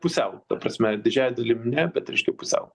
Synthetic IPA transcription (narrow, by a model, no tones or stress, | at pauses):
pʊsʲɛʊt̪ɐpɾɐsʲmʲɛd̪ʲɪd͡ʒʲæːjd̪ɐlʲɪmnʲɛbʲɛt̪ɾʲɛɪʃʲkʲɛpʊsʲɛ̰ʊ